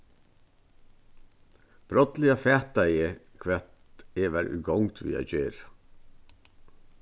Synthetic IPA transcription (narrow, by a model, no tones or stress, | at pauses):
b̥ɾɔt̪lɪɑfɛːt̪̚æɪəkʰʋɛt̪ɛʋæɾʔʉ̰ːɡɔŋt̪ʰʋḭːæ̰çøːɾ